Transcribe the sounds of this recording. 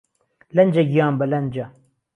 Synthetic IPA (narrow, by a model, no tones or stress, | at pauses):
lɐnd͡ʒɐɡijɑːnbəlɐnd͡ʒɐ